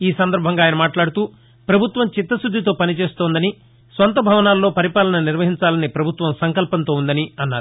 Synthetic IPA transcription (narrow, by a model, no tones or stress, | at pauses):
iːsɐnd̪ɐɾbʱɐŋɡaːjɐnɐmaːʈlaːɽut̪uː | pɾɐbʱut̪ʋɐmt͡ʃit̪ːɐsud̪ʱːit̪o̞ːpɐnit͡ʃe̞ːst̪ɔːnd̪ɐni | sʋɐnt̪ɐbʱɐʋɐnaːlːo̞ːpɐɾipaːlɐnɐniɾʋɐɦiɲt͡ʃaːlɐnipɾɐbʱut̪ʋɐmsɐŋkɐlpɐnt̪o̞ːund̪ɐniɐnːaːɾu